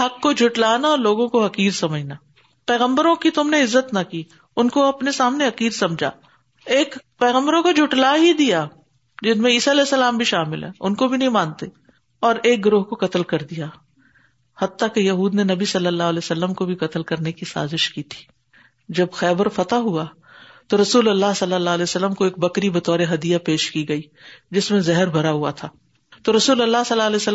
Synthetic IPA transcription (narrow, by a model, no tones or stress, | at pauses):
ɦɐkːod͡ʒʱʊʈlaːnaɔːɾloːɡõkoɦɐkiːɾsɐməd͡ʒnaː | pɛːɣə̃mbəɾõkit̪ʊmneɪzːət̪nɐkiː | ʊnkoɐpnesaːmneɦɐkiːɾsɐ̃md͡ʒʱa̰ː | eːkpɛːɣə̃mbəɾõkod͡ʒʱʊʈlaɦid̪ija | d͡ʒɪnmẽiːsalɛːsːɐlaːmbʱiʃaːmɪ̰lɦɛ̰ːʊnkobʱinɐɦĩmãːnt̪e | ɔːɾeːk̚ɡɾoːɦkokɐt̪əlkɐɾd̪ijaː | hɐt̪ːakejɐɦuːd̪nenɐbisɐlːəlːaːɦlɛːsɐlːəmkobʱikɐt̪əlkɐɾnekisa̰ːzɪʃkiːt̪ʰi̥ː | d͡ʒɐbxɛːbəɾfɐt̪aɦua | t̪oɾɐsuːlɐlːaɦsɐlːəlːaːɦlɛːosəlːəmkoeːk̚bɐkɾibɐt̪ɔːɾeɦɐd̪ijapeːʃkiɡɐiː | d͡ʒɪsmẽzɛɦəɾbʱɐɾaɦua̰t̪ʰaː | t̪oɾɐsuːlɐlːasɐlːaːlɛːsə